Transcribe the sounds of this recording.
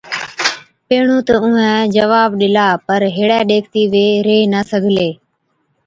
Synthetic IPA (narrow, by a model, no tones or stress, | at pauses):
peːɳũːt̪əʊ̃ːɛ̃ːd͡ʒəʋaːbɗɪlaːpəɾɦeːɽɛːɗeːkʰt̪iːʋeːɾeːnəsəɡʱleː